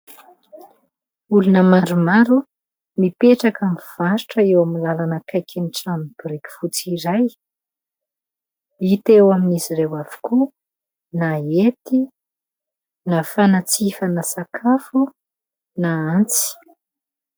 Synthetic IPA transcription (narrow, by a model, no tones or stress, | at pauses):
ulunəmaɾumaɾu | mipeʈ͡ʂakamiv̥aʃi̥ʈ͡ʂəewamilalanəkajkʰeniʈ͡ʂamb̥uɾekʲi̥fut͡siɾaj | it̪ewaminizirewav̥i̥ku | naet̪i | nafanat͡sifənasakʰafu | naant͡si̥